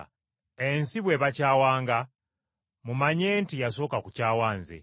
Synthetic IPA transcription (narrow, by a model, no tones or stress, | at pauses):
ensiβwe̞βacaːwaːŋɡa | mumaɲe̞ːntijaso̞ːkakucaːwaːnzḛ